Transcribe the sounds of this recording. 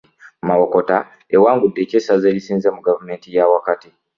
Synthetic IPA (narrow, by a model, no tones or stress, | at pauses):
mawoko̞ta | ewaːŋɡudːe̞ːceːsazeːɾisiːnzemuɡavume̞ːntijawakati